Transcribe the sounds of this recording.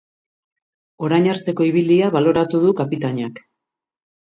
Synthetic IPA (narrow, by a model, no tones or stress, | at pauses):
o̞ɾajɲaɾt̪e̞ko̞iβ̞iliaβalo̞ɾat̪uðukapit̪aɲak